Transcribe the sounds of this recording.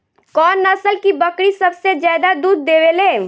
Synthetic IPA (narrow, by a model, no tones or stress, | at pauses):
kɔːnːəsəlkibəkɽisəbsed͡ʒjaːd̪ad̪uːd̪̚ːewele